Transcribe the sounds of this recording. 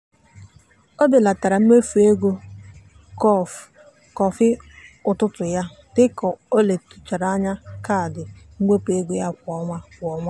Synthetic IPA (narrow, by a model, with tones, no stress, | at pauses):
ɔ˦dɪ˨la˨ta˨ɾa˨m̩˦me˦fu˨e˦ɡʷo˦ | kɔ˦˨f | kɔ˨fɪ˦ʊ˨tʊ˦tʊ˨ja˦ | tɪ˦kɔ˨o˦le˨tu̥˨t͡ʃa˨ɾa˨˦ɲa˦ka˦˨dɪ˨ŋ̩˦ŋʷe˦pe˦ɡʷo˦ja˦kʷɔ˦ŋʷa˦kʷɔ˨ŋʷa˦